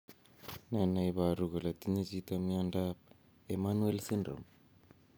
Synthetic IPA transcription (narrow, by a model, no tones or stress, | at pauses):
nanajβaɾuɣalatinezitomiandap̚ | emanuelsinɾo̰m